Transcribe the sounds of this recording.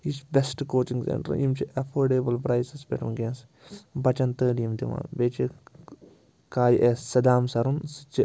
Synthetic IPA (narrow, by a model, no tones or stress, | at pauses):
it͡ʃbʲesʈkoːt͡ʃĩŋɡsḛɳʈɐɾjḭmt͡ʃʰiʔɐpʰoːɾɖeːbɐlpɾaːjsɐsbɛʈɐmɡẽːns | bɐt͡ʃɐnt̪əːɖijimd̪iʋã̰ːnbeːt͡ʃi | kaːjʔeːsːɐd̪aːmsɐɾunsɨ̥t͡ʃi